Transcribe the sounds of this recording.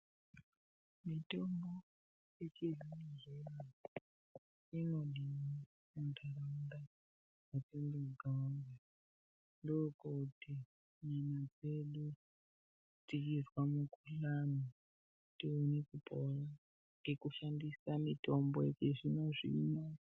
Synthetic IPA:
mitombo | et͡ʃeviniɦena | inolini | muntʰaɾanda | wateŋdewiɡanɡa | ndokouti | ɲanad͡zeɗu | tikirwamukulano | tiunikupʰora | ŋɡekuʃandisamitomboet͡ʃeʐinoʐḭna

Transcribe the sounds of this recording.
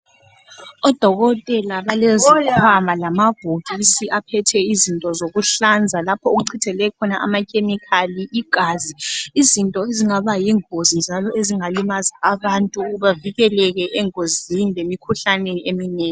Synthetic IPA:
ɔd̥ʱɔɣɔtʼɛlaβalɛzɔkʰwamalamab̥ʱoɣʱisiʔapʰɛtʰɛizintʼɔzoɣuɬand͡zʱalapʰɔoɣuǀʰitʰɛlɛkʰɔnaʔa̰makʰʼemikʰaliʔiɡ̥ʱaziizintʼɔeziŋaβajiːŋozind͡ʒʱalɔʔeziŋalimazaːβantʼuβaviɣɛlɛɣɛʔɛŋozinilemikʰuɬanɛeminɛːŋ

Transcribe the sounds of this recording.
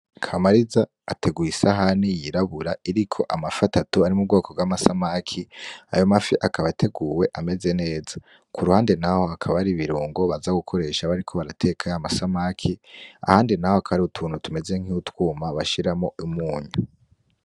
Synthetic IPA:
kʰamaɾizaːtʰe̞ɡuisaɦanijiɾaβuɾaiɾikʰo̞ʔamafatatuaɾimub̚ɡo̞ːko̞bɡwamasamakʰia̰jo̞mafiʔakaβatʰe̞ɡuːwe̞ʔame̞ze̞ne̞ːza | kʰuɾuhaːndenaho̞akʰaβaɾiβiɾuːŋɡo̞βazaɡukʰo̞ɾe̞ʃaβaɾikʰo̞βaɾatʰe̞ːkʰajamasamakʰia̰haːndinahoakʰaβaɾiutʰuːnhutume̞ze̞ŋ̥iutwuːmaβaʃiɾamoimuːɲu

